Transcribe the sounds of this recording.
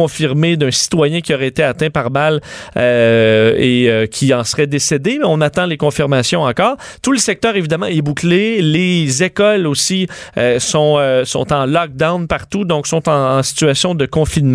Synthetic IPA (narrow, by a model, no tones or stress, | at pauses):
ɔ̃fiʁmed̪œ̃si̥t̪wajɛ̃kʲiɔʁɛet̪eat̪ɛ̃paʁbalø | eøkʲʰiɑ̃sʁɛd̪esed̪emɛɔ̃nat̪ɑ̃lekɔ̃fiʁmasjɔ̃ɑ̃kɔːʁt̪uləsɛk̚t̪œːʁevid̪amɑ̃ɛbuklelezekɔlosiøsɔ̃øsɔ̰̃t̪ɑ̃lɑk̚d̪aʊnpaʁt̪ud̪ɔ̃ksɔ̃t̪ɑ̃ːsi̥t̪yasjɔ̃d̪əkɔ̃finm